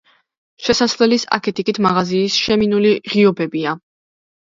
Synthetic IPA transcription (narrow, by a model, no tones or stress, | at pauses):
ʃɛsaslɛlisa̰kʰɛt̪ʼikʼit̪ʰmaʁaziːsʃɛminuliʁiɔbɛbia